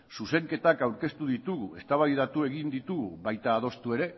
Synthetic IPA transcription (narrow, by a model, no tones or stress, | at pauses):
suse̞ŋke̞t̪akawɾke̞st̪uðit̪uɣue̞st̪aβaβjðat̪ue̞ɣind̪it̪uɣuβajt̪aːð̞o̞st̪ue̞ɾe̞